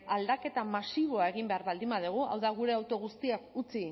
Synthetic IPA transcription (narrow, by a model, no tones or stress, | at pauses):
ald̪ake̞t̪amasiβo̞aeɣimbe̞aɾβald̪imaðuɣ̞ua̰wðaɣ̞uɾe̞awt̪o̞ɣ̞ust̪iakut͡si